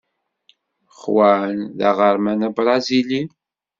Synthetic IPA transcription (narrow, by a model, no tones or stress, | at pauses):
χwænða̰ʁəɾˤmænæbɾˤɑzili